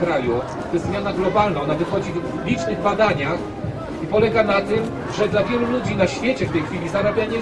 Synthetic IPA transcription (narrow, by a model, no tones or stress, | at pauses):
kɾaju | t̪ɔjɛst̪zmʲjanaɡlɔbalnaɔnavɘxɔd͡ʑivlʲit͡ʂnɘɣbad̪aɲax | ipɔlɛɡanat̪ɘm | ʐɛd̪lavʲjɛlulud͡ʑinaɕfʲjet͡ɕɛft̪ɛjxfʲilʲizaɾabʲjaɲɛ